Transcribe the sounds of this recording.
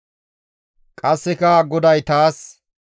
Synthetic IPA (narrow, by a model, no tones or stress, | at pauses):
kʼɐsːɛkɐɡɔd̪ɐjt̪aːs